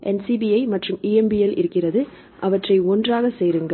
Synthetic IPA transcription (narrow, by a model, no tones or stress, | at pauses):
ʔɛnsiːbiɐɪmɐʈrɯmiːɛmbiɛlɪ̰ɾɯkːɪrɐðɯ | ʔɐʋɐʈrɐɪɔndraːɣɐseːɾɯŋɡɐ